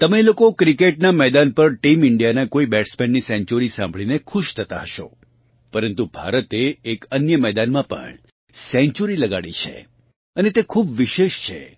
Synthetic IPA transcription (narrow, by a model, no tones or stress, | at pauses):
t̪əmelokokɾikeʈnamɛd̪anpəɾʈimɪɳɖijanakoibɛʈsmɛ̃nɖnisɛ̃ɲt͡ʃuɾisã̰mbʱɭinekʰuʃt̪ʰət̪a̰ɦəʃo̰ | pəɾənt̪ubʱa̰ɾət̪eːkənjəmɛd̪anmãpə̰ɳ | sɛ̃ɲt͡ʃuɾiləɡaɭḭt͡ʃʰḛ | ənet̪ekʰubʋɪʃeʃt͡ʃʰḛ